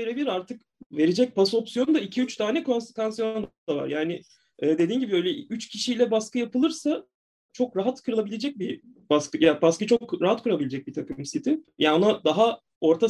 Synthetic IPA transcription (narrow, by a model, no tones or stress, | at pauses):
eɾebilʲiɾaɾt̪ʰɯk | ve̞ɾed͡ʒɛc̚paso̞psijo̞nud̪aicʰiyt͡ʃt̪ʰaːnɛkʰo̞nse̥kvansjond̪ava̰ɾjaːnɪ | ɛːd̪e̞d̪iːnɟibiø̞jlʲɛyt͡ʃcʰiʃijlʲɛbaskɯjapɯlˠɯɾsa | t͡ʃʰo̞kɾaɦat̪kʰɯɾɯlˠabilʲe̞d͡ʒɛc̚bi | baskɯjabaskɯt͡ʃʰo̞kɾaɦat̪kʰuɾabilʲed͡ʒɛc̚bit̪ʰakɯmsit̪ʰɪjaonad̪aɦa | o̞ɾt̪ʰa